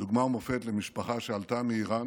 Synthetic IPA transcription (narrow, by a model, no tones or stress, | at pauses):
duɡmaumofet̪lemiʃpaχaʃealt̪ameiʁan